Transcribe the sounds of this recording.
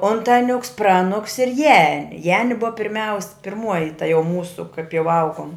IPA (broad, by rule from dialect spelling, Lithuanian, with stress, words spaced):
ˈoːntɐˌnʲʊks ˈprɑːˌnʊks ɪr ˈjæːnʲɪ ˈjæːnʲɪ ˈbʊʋɐ pʲɪrʲˈmʲɛʊs pʲɪrˈmuɔjɪ tɐ jɛʊ ˈmuːsʊ kɐɪp jɛʊ ˈɐʊɡoːm